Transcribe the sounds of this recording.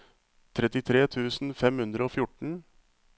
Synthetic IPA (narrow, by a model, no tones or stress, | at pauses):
t̪ʰɾɛt̪ɪt̪ʰɾeːt̪ʰʉːsn̩fɛmhʉnd̪ɾəoːfjʊʈɳ̩